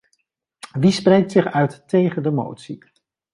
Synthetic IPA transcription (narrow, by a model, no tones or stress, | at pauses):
ʋisprejk̚tsɪχœɥttejχəndəmo̰wtsḭ